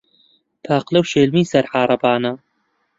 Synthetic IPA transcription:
t̪ʰaːqlɐwʃeːlmiːsɐɾħaːɾˤɐbaːna

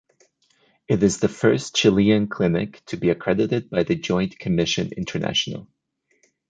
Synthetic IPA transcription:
ɨɾɨzðɨfɜ˞st͡ʃʰɪlˠiɨ̃nkʰl̥ɪnɪ̰ktʰɨbiɨkʰɹ̥ɛɾɨɾɨd̚baɪðɨd͡ʒɔ̃ɪ̃nkʰɨmɪʃɨ̃nɪ̰̃ntʰə˞næ̰ʃn̩l̩ˠ

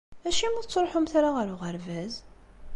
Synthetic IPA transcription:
æʃimut͡sːɾˤħumθaɾaʁəɾuʁəɾvæz

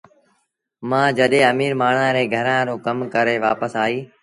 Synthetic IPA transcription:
mãːd͡ʒəɗẽːəmiːɾmaːɳ̤ãːɾeːɡʱəɾãːɾoːkəmkəɾeːʋa̰ːpəsaːiː

